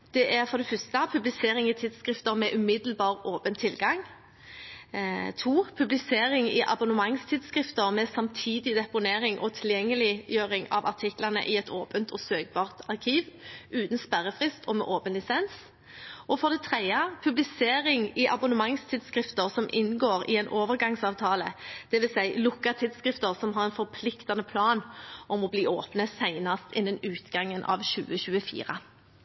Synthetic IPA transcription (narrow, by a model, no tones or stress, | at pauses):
d̪̥ɛʔæɾfɔʁd̪ɛfœst̪əpʰʉblɪseːɾɪŋɪt̪ʰɪd̪skʁɪft̪əɾmɛʔʉmɪd̪l̩bɑːʁoːpənt̪ʰːɪlɡɑŋ | t̪ʰuːpʰʉblɪseːɾɪŋɪʔɑ̰bʊnəmɑŋst̪ʰɪd̪skɾɪft̪əɾmɛsɑmt̪ʰiːd̪ɪd̪ɛpʊneːɾɪŋʔɔt̪ʰɪljɛŋːəlɪjøːʁɪŋɑ̰ʋɑ̰ʁt̪ʰɪklənə̰ʔɪɛt̪ʰoːpənt̪ʰɔsøːk̚bɑːʁt̪ɑʁkʰiːʋʉːt̪n̩spæʁəfʁɪst̪ʰɔmɛ̰ːʔoːpənlɪsɛns | ʔɔfɔʁd̪ɛt̪ʰʁɛɪəpʰʉblɪseːɾɪŋɪʔɑbʊnəmɑŋst̪ʰɪd̪skʁɪft̪əʁsɔmʔɪnɡoːʁɪɛɪnʔoːʋəʁɡɑŋsɑːʋt̪ʰɑːləd̪̥ɛʋɪlsæɪlʊkːɑt̪ʰɪd̪skʁɪft̪əɾsɔmɦɑɾɛɪnfɔɾpʰlɪkt̪ɑnəpʰlɑːnʔɔmɔbliːʔoːpnəsæɪnɑst̪ɪnd̪ɛnʉːt̪ɡɑŋːənʔɑ̰ʋɕʉ̰ːəɕʉːəfḭːʁə